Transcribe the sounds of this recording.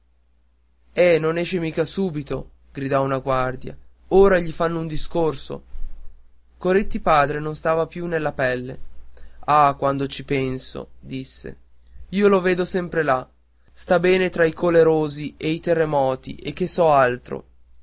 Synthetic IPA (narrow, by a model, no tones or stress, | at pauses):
ɛnonɛːʃemiːkasuːbit̪o | ɡ̥ɾid̪ɔunaɡward̪ja̰ | oːɾaʎifanːound̪iskorso̰ | koɾet̪ːipaːd̪ɾenonst̪aːvapjunelːapɛlːḛ | akwand̪ot͡ʃipɛnso̰d̪isːḛ | iːoloveːd̪osɛmpɾela | st̪abɛːnet̪ɾaikoleɾoːziʔeit̪erːemɔːt̪ḭʔek̟ːesɔalt̪ɾo̰